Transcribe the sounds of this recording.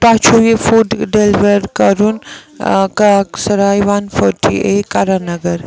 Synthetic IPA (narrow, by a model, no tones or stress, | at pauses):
pat͡ʃʰoʋefuɖɖelʋəɾkɐɾun | kaksɐɾaːjʋanfʰɔʈʰḭekaɾanɐɡəɾ